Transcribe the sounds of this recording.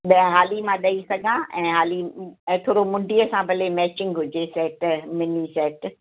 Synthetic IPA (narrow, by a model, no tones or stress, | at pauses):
ɓɐ̃ɦaːlimãɗɐisɐɡʱãʔɛ̃ːɦaːlĩt̪ʰoːɽomʊ̃ɳɖiɐsãbʱɐlemɛːt͡ɕɪ̃ŋɡɦʊd͡ʑesɛːʈmɪnisɛːʈ